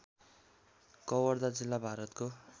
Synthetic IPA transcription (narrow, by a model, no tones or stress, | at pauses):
kʌwʌrd̪ad͡zilːabʱaɾʌt̪ko